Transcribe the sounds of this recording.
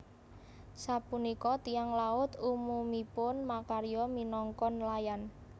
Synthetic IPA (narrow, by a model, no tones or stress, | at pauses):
sapunikɔt̪iaŋlaʊt̪umumipʊnmakaɾjɔminɔŋkɔnlajan